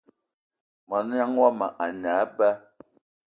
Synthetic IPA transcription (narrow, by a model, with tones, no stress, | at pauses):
ma˨n˦a˦ŋwa˦ma˨ʔa˨naː˨˦ba˦